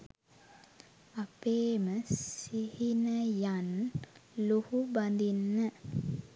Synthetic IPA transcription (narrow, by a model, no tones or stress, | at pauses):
apeːməsihinəjan | luhuband̪inːə